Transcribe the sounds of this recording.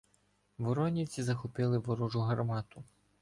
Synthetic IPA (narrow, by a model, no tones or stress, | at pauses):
ʋɔɾɔnʲiwt͡sʲizɐxɔpɪlˠɪʋɔɾuʒʊɦɐrmɑt̪ʊ